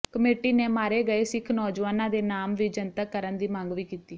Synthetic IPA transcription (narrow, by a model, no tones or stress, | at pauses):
kəmeːʈiːneːmaːɾeːɡəeːsɪkʰnɔːd͡ʒʋaːnãːd̪eːnaːmʋiːd͡ʒənt̪əkːəɾənd̪iːmãːŋɡʋiːkiːt̪iː